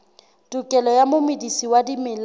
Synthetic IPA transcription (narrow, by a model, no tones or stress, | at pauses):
tʼukʼɛlɔjamʊmɪdisiwadimɪl